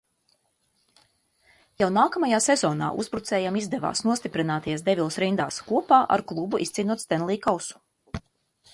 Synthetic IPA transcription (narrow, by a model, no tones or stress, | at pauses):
jawnaːkamajaːsɛzɔːna̰ːʔṵzbɾut̪sɛːjamizd̪ɛva̰ːsnuɔst̪ʲipɾinaːt̪iɛs̬d̪evʲilˠsɾind̪aːskuɔpaːʔa̰ɾklˠubuʔḭst̪iːnuɔt̪st̪ɛnlˠiːkawsu̥